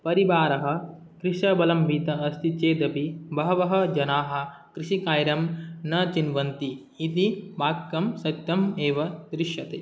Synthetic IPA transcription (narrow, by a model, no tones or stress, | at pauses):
pɐɾibaːɾɐɦɐ̆ | kɾiʃɐbɐlɐmʋiːt̪ɐɐst̪it͡ʃeːd̪ɐpibɐɦɐʋɐɦɐ̆d͡ʒɐnaːɦɐ̆ | kɾiʃikaːjɾɐmnɐt͡ʃinʋɐnt̪iː | t̪ibaːkːɐmsɐt̪ːjɐmeːʋɐd̪ɾiʃjɐt̪eː